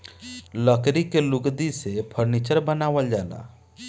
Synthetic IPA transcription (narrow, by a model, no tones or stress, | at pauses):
ləkɾikelʊɡd̪isepʰəɾniːt͡ʃəɾbənaːʋəld͡ʒaːna̰ː